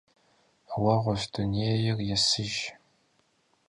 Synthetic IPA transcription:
wɐʁʷɔzduneːjɪrjɛsɨʒ

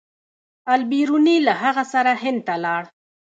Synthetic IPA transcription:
albiɾunilaɦaɣasaɾaɦɪnd̪̚t̪alɑɽ

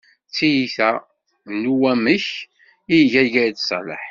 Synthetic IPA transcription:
t͡sːijiθæ | nuwæməç | iʝæʝæd̪sˤlə̰ħ

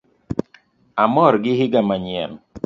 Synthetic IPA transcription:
amɔɾɡɪhɪɡamaɲɪɛm

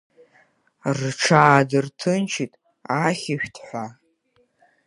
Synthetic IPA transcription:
rʈ͡ʂʰaːdɨrtʰɨnt͡ʃʰitʼ | aχʲɪʃᶣtʰħʷa

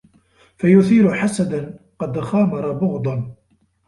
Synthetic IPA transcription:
fajʊθiːɾʊħasad̪anqɑd̪ɣɑːmɑɾˤɑbʊɣd̪ˤɑn

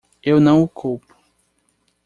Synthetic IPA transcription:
ewnɐ̃w̃ʊkʰowpʊ̥

